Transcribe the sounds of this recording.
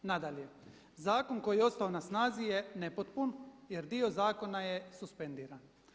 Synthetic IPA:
nad̪alje̞ | zaːko̞ŋko̞jijeo̞t̪st̪aonasnaːzijenepot̪punjeɾd̪io̞zaːko̞najesuspend̪iːɾan

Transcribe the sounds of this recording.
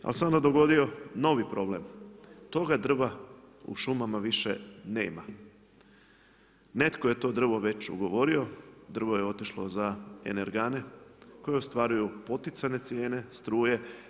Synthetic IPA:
a̰lseo̞nd̪ad̪o̞ɡo̞d̪io̞no̞ʋipɾo̞ble̞mt̪o̞ɡad̪r̩ʋaṵʃumamaʋiʃḛneːma | ne̞t̪koje̞t̪o̞ːd̪r̩ʋo̞ʋe̞t͡ɕṵɡo̞ʋo̞ɾio̞d̪r̩ʋo̞je̞o̞t̪iʃlo̞̰zae̞̰ne̞ɾɡane̞ko̞jeost̪ʋaːɾujupo̞t̪it̪sane̞t̪sje̞ːne̞st̪ɾuːje̞

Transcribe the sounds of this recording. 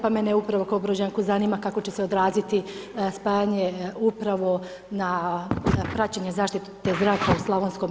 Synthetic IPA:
pameneupɾaʋo̞kaobɾod͡ʑaŋkuzaniːmakako̞t͡ɕe̞seod̪ɾaːzit̪ispaːjaɲeupɾaʋo̞ | na | pɾat͡ɕeɲezaːʃt̪it̪t̪ːezd̪ɾaːkauslˠaʋonsko̞m

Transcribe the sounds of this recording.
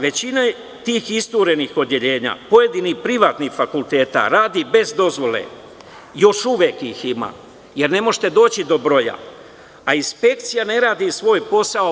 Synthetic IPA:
ʋe̞t͡ɕina | t̪iːxist̪uːɾe̞nixo̞d̪je̞ʎe̞ːɲa̰ːpo̞je̞d̪inipɾiʋaːt̪nixfakulˠt̪e̞ːt̪a̰ɾaːd̪ibe̞zd̪o̞zʋo̞lḛ | jo̞ʃuʋjeːkixima̰ː | je̞ɾne̞mo̞ʒt̪e̞d̪o̞ːt͡ɕid̪o̞bɾo̞ja̰ | ainspe̞k̚t̪sijane̞ɾaːd̪isʋo̞ːjpo̞sao

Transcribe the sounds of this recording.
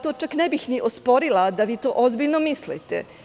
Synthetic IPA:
t̪oːt͡ʃaknebixniʔospo̞ɾilˠad̪aʋiːt̪o̞ːʔozbiʎnomislit̪ḛ

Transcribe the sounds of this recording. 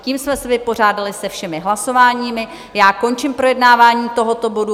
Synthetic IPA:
ciːmsmɛsɛvɪpo̞r̝aːdalɪsɛfʃɛmɪɦlaso̞vaːɲiːmɪ | jaːko̞nt͡ʃɪmpɾo̞jɛdnaːvaːɲiːt̪o̞ɦo̞t̪o̞bo̞du

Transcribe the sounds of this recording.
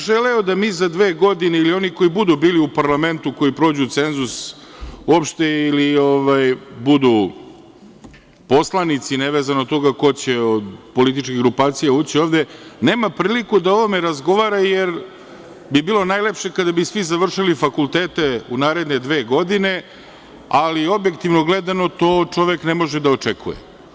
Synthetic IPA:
ʒeleod̪amiːzad̪ʋeːɡo̞d̪ineilio̞niko̞ibud̪ubiːliupaɾlˠame̞nt̪uko̞ipɾo̞ːd͡ʑut̪se̞nzus | uopʃt̪eilioʋajbud̪u | po̞slˠanit̪sineʋeːzanot̪o̞ɡako̞t͡ɕeod̪po̞lit̪it͡ʃkiɣɡɾupaːt̪sijauːt͡ɕio̞ːʋd̪eneːmapɾiːlikud̪ao̞ʋomeɾazɡo̞ʋaːɾajeɾ | bibiːlˠo̞naːjlepʃe̞kad̪abisʋizaʋr̩ʃilifakulˠt̪eːt̪eunaːɾe̞d̪ne̞d̪ʋe̞ːɡo̞d̪ine̞ | alio̞bje̞kt̪iʋnoɡled̪ano̞t̪o̞ːt͡ʂo̞ʋeknemo̞ʒed̪aot͡ʂekʰṵjḛ

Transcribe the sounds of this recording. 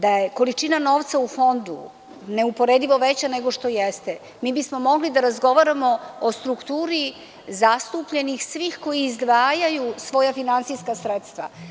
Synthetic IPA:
d̪ajeko̞lit͡ʃinano̞ʋt̪saufo̞nd̪ṵ | ne̞upo̞ɾed̪iʋo̞ʋet͡ɕane̞ɡo̞ʃt̪o̞jest̪e | miːbismo̞mo̞ɡlid̪aɾazɡo̞ʋaɾamo̞ost̪ɾukt̪uːɾi | zast̪upʎe̞nixsʋiːxko̞jiːzd̪ʋaːjajusʋo̞jafinantsijskasɾet̪st̪ʋa̰

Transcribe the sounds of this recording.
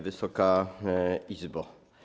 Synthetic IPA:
vɘsɔka | izbɔ

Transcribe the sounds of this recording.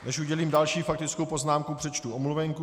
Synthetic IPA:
nɛʃʔuɟɛliːmdalʃiːfak̚t̪ɪt͡skowpo̞znaːmkupr̥ɛt͡ʃt̪uomluvɛŋku

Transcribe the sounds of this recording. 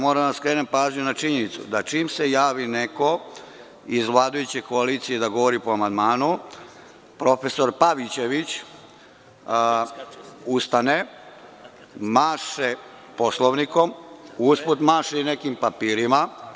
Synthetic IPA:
mo̞ɾad̪askɾenempaːzɲunat͡ʃiɲe̞nit̪sṵd̪at͡ʃiːmse̞jaːʋine̞ko̞ | izʋlˠaːd̪ujut͡ɕe̞ko̞aliːt̪sije̞d̪aɡo̞ʋoɾipoamand̪maːnu | pɾo̞fe̞so̞ɾpaʋit͡ɕe̞ʋit͡ɕ | ust̪ane | maːʃe | po̞slˠoʋniko̞musput̪maːʃeinekimpapiːɾima

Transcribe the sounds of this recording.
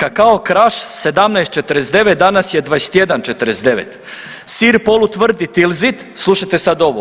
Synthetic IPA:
kakaokɾaʃse̞d̪amnajst̪t͡ʃet̪əɾesd̪e̞ʋet̪̚d̪anasjed̪ʋaest̪je̞d̪ant͡ʃet̪əɾesd̪e̞ʋḛt̪ | siːɾpo̞lut̪ʋr̩d̪it̪ilˠzit̪ | slˠuʃajt̪e̞sad̪o̞ʋo

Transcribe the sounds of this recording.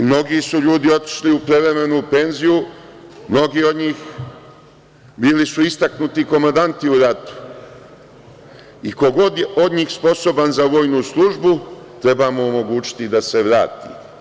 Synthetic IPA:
mno̞ɡiːsuʎuːd̪io̞t̪i̥ʃliupɾeʋɾe̞me̞nuːpe̞nzijumno̞ɡiːo̞d̪ɲiːx | biːlisuist̪aknut̪iko̞mand̪ant̪iuɾat̪u̥ | iko̞ɡo̞d̪jeʔod̪ɲiːxspo̞so̞banzaʋo̞ːjnuslˠuʒbut̪ɾe̞baːmo̞ːmo̞ɡuːt͡ɕi̥t̪id̪ase̞ʋɾa̰ːt̪ḭ

